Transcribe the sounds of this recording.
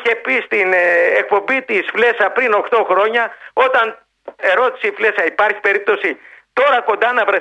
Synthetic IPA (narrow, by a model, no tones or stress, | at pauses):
e̞pist̪inek̚po̞mbit̪isfle̞sɐpɾino̞xt̪o̞xɾo̞ɲɐo̞t̪ɐn | e̞ɾo̞t̪i̥sifle̞sɐipɐɾçi̥pe̞ɾip̚t̪o̞sit̪o̞ɾɐko̞nd̪ɐnɐvɾɐ